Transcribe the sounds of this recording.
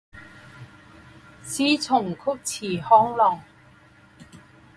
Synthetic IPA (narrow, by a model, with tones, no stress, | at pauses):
t͡sʰiː˥t͡sʰʊ˨˩ŋkʰʊ˥k̚t͡sʰiː˨˩hɔː˥ŋlɔː˨˩ŋ